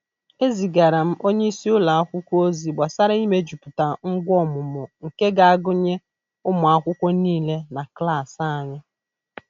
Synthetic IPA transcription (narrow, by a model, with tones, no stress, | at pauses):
e˦zi˨ɡa˨ɾa˨m̩˦ʔo˦ɲe˦i˦si˦ʊ˦la˨a˦kʷʊ˦kʷo˦zi˨ɡ͡ba˨sa˦ɾa˦i˦me˨d͡ʒu˨pʊ˨ta˨ŋ̩˦ɡʷɔ˦˨mʊ˨mʊ˨ŋ̩˨ke˦ɡa˨a˦ɡʊ˦ɲe˦ | ʊ˦mʊ˨a˦kʷʊ˦kʷɔ˦niː˦le˦na˨kla˦˨sa˦˨ɲɪ˦